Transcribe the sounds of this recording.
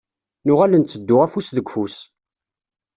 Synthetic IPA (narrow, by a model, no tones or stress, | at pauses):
nʊʁælənt͡sːəd̪ːʊʁæfusðəɡʷfus